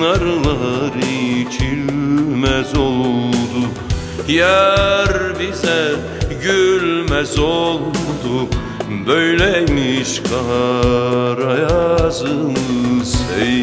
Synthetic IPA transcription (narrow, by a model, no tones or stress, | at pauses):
naɾlˠaɾɯt͡ʃʰilmæzolˠud̪u | jæɾbizɛ | ɟylmæzolˠd̪u | bøjlɛmiʃkʰɑ | ɾajazɯnɯze